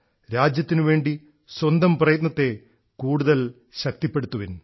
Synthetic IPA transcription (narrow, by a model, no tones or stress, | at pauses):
ɾaːd͡ʑjɐt̪ːinɨʋe̞ːɳɖi | swɐnd̪ɐmprɐjɐt̪̬nɐt̪ːe̞ | kuːɽuðɐl | ɕɐk̚t̪ipːe̞ɽut̪ːuʋin